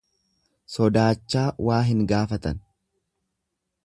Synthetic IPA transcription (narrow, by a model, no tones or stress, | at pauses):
sɔd̪aːt͡ʃːaːwaːɦɪŋɡaːfɐt̪ɐ̰n